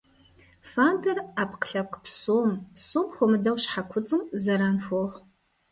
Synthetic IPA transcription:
fantʰɐrapʰqɬɐqpsoːmpsoːmχʷomɨdɐwɕħakʷʰʊt͡sʼɨmzɐɾaːnfoːʁ

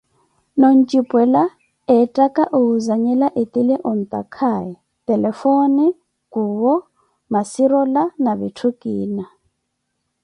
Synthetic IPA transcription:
nɔnt͡ʃʼipʼwɛla | ɛtʼakʼaʔuuzaɲɛlaʔet̪ʼilɛʔɔn̩t̪ʼa̰kʰajɛ | tʼɛlɛfoni | kuːwɔ | masiɾɔlanaβitʰukʼiːna

